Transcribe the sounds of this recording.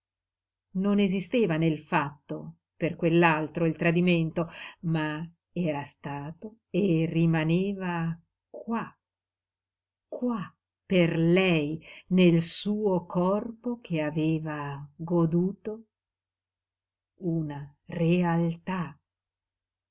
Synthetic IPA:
nonezist̪eːvanelfat̪ːo | perkwelːalt̪ɾoilt̪ɾad̪iment̪oma | ɛːɾast̪aːt̪o | erːimaneːva | kwa | kwa | perlɛjnelsuːokʰɔrpok̟ʰeaveːvaɡod̪uːt̪o | unarealt̪a

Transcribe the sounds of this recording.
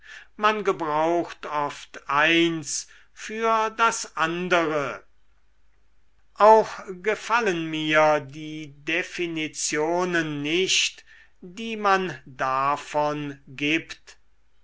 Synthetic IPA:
manɡəbʁaʊxtɔft̪ʔaɪns | fyːɐdasʔandəʁə | ʔaʊxɡ̥əfalənmiːɐdiːdefinit͡sjoːnənːɪʃt | d̥iːmandafɔnɡiːpt

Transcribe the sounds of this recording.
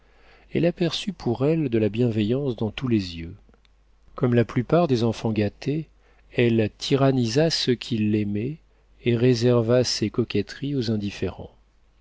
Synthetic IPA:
ɛlapɛʁsypʰuʁɛld̪əlabjɛ̃vejɑ̃sd̪ɑ̃t̪ulezjø | kɔmlaplypaʁd̪ezɑ̃fɑ̃ɡat̪e | ɛlt̪ʰiʁanizasəkʲʰilːemɛː | ʁezɛʁvasekɔkʲɛt̪χiozɛ̃d̪ifeʁɑ̰̃

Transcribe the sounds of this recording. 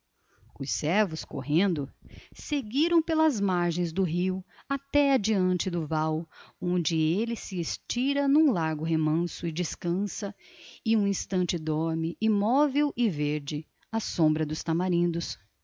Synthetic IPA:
ʊsɛɾvʊsko̰ɦẽnd̪ʊseɡiɾɐ̃w̃pelɐzmaɾʒẽj̃zd̪ʊɦiwat̪ɛad͡ʒiɐ̃nt͡ʃɪd̪ʊvawõnd͡ʒɪelɪsɪest͡ʃiɾɐnũlaɾɡʊɦemɐ̃sʊɪd͡ʒɪskɐ̃sɐɪũĩst̪ɐ̃nt͡ʃɪd̪ɔɾmɪʔimɔvewʔɪveɾd͡ʒɪ | ɐsõmbɾɐd̪ʊst̪amaɾĩnd̪ʊs

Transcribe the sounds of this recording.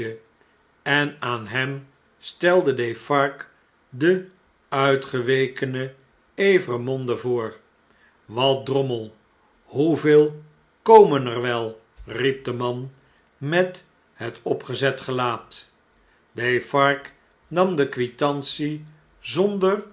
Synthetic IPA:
ə | ɛnaːnɦɛm | stɛlˠdədejfɑɹk | də | œɥtχəʋejkənə | ejvərmɔndəvʊːɹ | ʋɑt̚drɔməlˠ | huveːlˠ | kowmənərʋɛlˠ | rip̚dəmɑn | mɛt | ɦətɔpχəzɛtχəlaːt | defɑɹk | nɑmdəkʋitɑnsi | zɔndər

